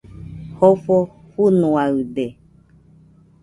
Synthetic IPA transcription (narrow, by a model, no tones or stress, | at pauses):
hofo | hunũaɯde